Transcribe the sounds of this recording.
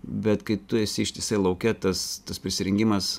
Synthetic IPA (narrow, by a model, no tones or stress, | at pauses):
bʲɛt̪kɐɪt̪ʊɛsʲɪɪʃt̪ʲɪsɐɪlˠɐʊkʲɛt̪ɐst̪ɐspʲɾʲɪsʲɪɾʲɛŋʲɡʲimɐs